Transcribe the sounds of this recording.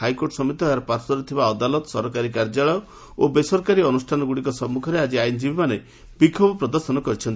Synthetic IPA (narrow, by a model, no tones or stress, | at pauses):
ajkoɾʈsɔmit̪ɔɦaɾɔpaɾɔɾit̪ʰibaɔd̪alɔt̪sɔɾɔkaɾikaɾd͡ʒaɭɔɔ | obesɔɾkaɾiɔnusʈʰanɔɡuɽikɔsɔmːukʰɔɾead͡ʒiajnd͡ʒibimane | bikʰɔbɔpɾɔd̪ɔɾsɔnɔkɔɾit͡ʃʰɔnt̪